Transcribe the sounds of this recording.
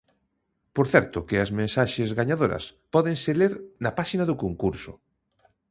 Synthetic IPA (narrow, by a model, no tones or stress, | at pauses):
poɾθɛɾt̪ʊkɪɐzmẽnsaʃezɣaɲaðoɾɐ̰spɔðeŋseleɾnɐpaʃinaðʊkoŋkuɾsʊ̰